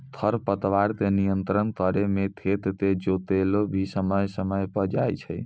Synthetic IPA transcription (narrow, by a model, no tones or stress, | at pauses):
t̪ʰəɾpət̪ʋaɾt̪enijənt̪ɾənk̪əɾemet̪ʰet̪t̪ed͡ʒot̪elobʱisəməjsəməjpəd͡ʒajt͡ʃʰəj